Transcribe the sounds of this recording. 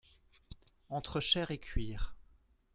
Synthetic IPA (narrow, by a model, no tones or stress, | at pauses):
ɑ̃t̪χəʃɛʁekʰʲɥiːʁ